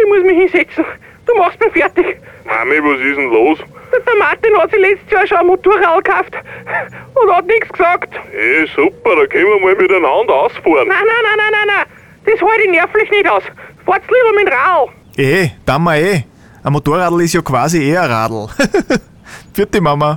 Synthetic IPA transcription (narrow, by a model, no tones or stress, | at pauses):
ɪçmuəsmihinsɛt͡sn̩ | d̥uːmɑxst̚miːɐfɛɐtɪç | ma̰miʋosisn̩loːsəd̥̪ɐmat̪inhɑtsilɛt͡sstəsjɑːʃoɐmotuɐʁaːdl̩kʰaft | ʊ̃ndhɑtnɪksksɑktesupɐɾɑkʰɛnməməlmɪɾənandaʊsfuɐnnananananaɪna | d̥eshoɾɪnɛɐflɪçneɾaʊsfɔɐt͡sliːvəmɪnʁaːl̩ | ʔed̪̥amːɐe | ɐmotuːɐʁaːdl̩ɪsjokv̥aːzieɐʁa̰ːdl̩ˠ | fyɐt̪imamə